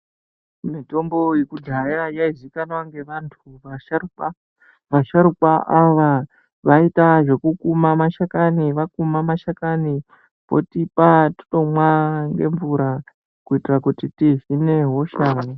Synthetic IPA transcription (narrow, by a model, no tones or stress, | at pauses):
mito̞mbo̞jekudʱaiajaizikanwaŋɡe̞ʋantʰuʋaʃaruka | ʋaʃaɾukwaʔaʋa | ʋaitaʐe̞kukumamaʃakaniʋakumamaʃakani | po̞̰tipati̥ɗo̞mwaŋɡe̞̰ɱvuɾa | kuitirakutitiʐine̞ɦo̞ʃaːni